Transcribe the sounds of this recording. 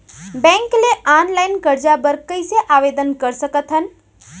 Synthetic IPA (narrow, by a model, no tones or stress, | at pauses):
bɛ̃ŋkleʔanlaɪnkəɾd͡ʒabəɾkəɪseʔaʋed̪ənkəɾsəkət̪ɦən